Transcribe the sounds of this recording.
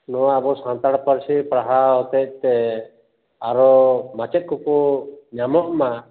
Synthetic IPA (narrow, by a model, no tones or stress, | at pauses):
nɔwaːbɔsãnt̪aɽpəɾsipɽaɦaɦɔt̪ɛc̚t̪ɛ | aɾɔmat͡ʃɛt̪̚kɔkɔɲamɔʔma